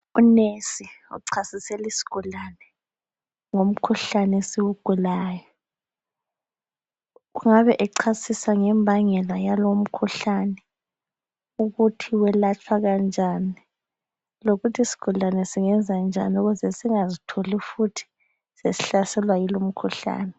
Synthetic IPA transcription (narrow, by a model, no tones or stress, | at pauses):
unesiṵǀʰasisɛlisi̥ɡ̥ʱulanɛ | ŋom̩kʰuɬanesiɣuɡ̥ʱulaːjɔ | ɣuŋaβɛʔɛǀʰasisaŋɛmbʱaŋɛlajalom̩kʰuɬanɛ | uɣutʰiwɛlat͡ʃʰwaɣand͡ʒʱaːni | loɣutʰisi̥ɡ̥ʱulanɛsiŋɛnd͡zʱand͡ʒʱa̰niuɣuzɛsiŋazitʰolifutʰi̥ | sesiɬasɛlwajilom̩kʰuɬa̰ːnɛ